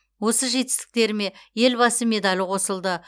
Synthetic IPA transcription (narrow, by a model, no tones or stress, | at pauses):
wo̞səʒe̞t̪ɪ̥st̪ɪ̥k̚t̪e̞ɾɪme̞je̞lbɑsəme̞d̪alʲqʰo̞səlˠd̪ə